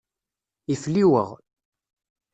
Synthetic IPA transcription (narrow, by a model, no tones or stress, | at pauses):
ifliwə̰ʁ